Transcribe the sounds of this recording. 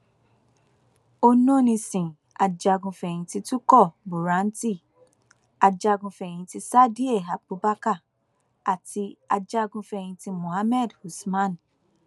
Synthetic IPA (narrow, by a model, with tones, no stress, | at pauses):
o˦nõ˦˨nĩ˧sĩ˨ | a˨d͡ʒa˧ɡũ˧fɛ˨j̃ĩ˧ti˧tu˦kɔ˦˨bu˨ɾã˨˦n̩˦ti˦˨ | a˧d͡ʒa˧ɡũ˧fɛ˨j̃ĩ˧ti˧sa˦di˦e˦˨a˨bu˨˦ba˦ka˦˨ | a˨ti˧˦a˧d͡ʒa˧˦ɡũ˧fɛ˧˨j̃ĩ˧ti˧mõ˨ha˦mɛ˦˨dhu˨smã˦˨n˨